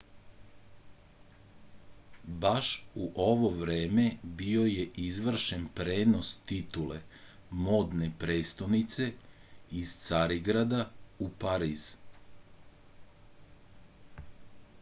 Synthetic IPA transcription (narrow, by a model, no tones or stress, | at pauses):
baʃuʔo̞ʋo̞ʋɾe̞ːme̞bio̞jeʔizʋr̩ʃenpɾeːno̞st̪it̪ule | mo̞d̪ne̞pɾe̞ːst̪onit̪se̞iz̥t̪saɾiɡɾad̪aupaɾiːz̥